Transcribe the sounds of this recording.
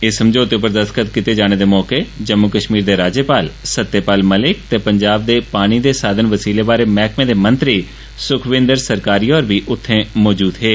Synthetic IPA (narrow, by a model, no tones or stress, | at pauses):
eːsəmd͡ʒoːt̪ep̬əɾd̪əst̪kət̪kɪt̪eːd͡ʒaːɽ̃eːd̪eːmɔːkeːd͡ʒəmːʊkəʃmiːɾd̪eːɾaːd͡ʒjəpaːlsət̪ːeːpaːlməlɪk̚t̪eːpəɲd͡ʒaːb̚d̪eːpaːɽ̃iːd̪eːsaːd̪ʱənʋəsiːleːbaːɾeːmɛːkʰmẽːd̪eːmə̃nt̪ɾiː | sʊkʰʋɪ̃nd̪əɾsəɾkaːɾiːɔːɾʋiːʔʊt̪ʰːẽːmɔːd͡ʒuːd̪ɦeː